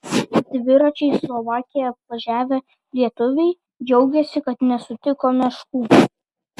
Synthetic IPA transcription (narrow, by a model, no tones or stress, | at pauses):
d̪ʲʋʲɪɾɐt͡ʃʲɛɪslˠɔʋɑːkʲɪjɛɐp̚ʋɐʒʲæːʋʲɛ | lʲiɛt̪ʊʋʲɛɪ | d͡ʒʲɛʊɡʲɛsʲɪkɐt̪nʲɛsʊt̪ʲɪkoːmʲɛʃkuː